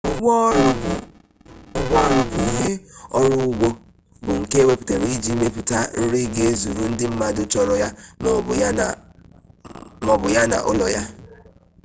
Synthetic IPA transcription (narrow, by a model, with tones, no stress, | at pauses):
ɡɔ˦ɾʊ˨bʊ˨i˨ɦe˦ɔ˦ɾʊ˦ɡ͡bo˦ | bʊ˨ŋ̩˨ke˦we˦pʊ̥˨te˨ɾi˦d͡ʒi˦me˦pʊ˨ta˦n̩˦ɾi˦ɡe˨e˦zu˨ɾu˦n̩˦dɪ˦m̩˦ma˦dʊ˦t͡ʃɔ˨ɾɔ˨ja˦ | mɔ˨bʊ˨ja˦na̰˨ʔʊ˦lɔ̰˨ja˦